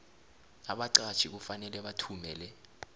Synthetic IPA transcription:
aɓaǀḁt͡ʃʰik̬ufanɛlɛɓatʰumɛːlɛ

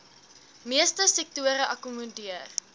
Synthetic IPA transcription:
miəstəsɛk̚tuəɾəʔɐkumɔdiər

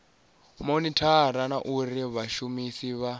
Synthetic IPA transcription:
monitʰaɾanaʔuɾiβaʃumisiβa

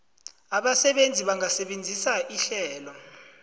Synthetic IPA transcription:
aɓasɛɓend͡zʱiɓaŋasɛɓend͡zʱisaʔiɬɛːlɔ

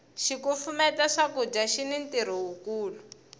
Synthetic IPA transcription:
ʃikufumɛtaʂakud͡ʒaʃinintiɾ̤iɦukuːlu

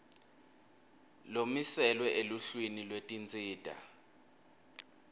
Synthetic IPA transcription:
lomisɛlwɛʔeluɬwinilwetʼint͡sʼiːdʼʱa̰

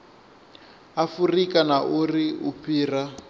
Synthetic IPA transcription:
afurikanaʔuriupiːra

